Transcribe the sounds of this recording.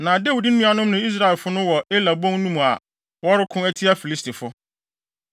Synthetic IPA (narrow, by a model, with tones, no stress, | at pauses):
nã˨de˦wi˨dɪ˦n˦nũ˦a˨nʊ̃˦mnʊ̃˨i˦s̬ɾa˦˨lfʊ˦nʊ̃˦wɔ˨ʔɪ˦la˨bõ˦ŋ˦nũ˦mũ˨a̰˨ | wɔ˦ɾɪ˦kʰʊ̃˦ɛ˦tʰi˦a˦fi˨li˦stʰi˨fʊ˦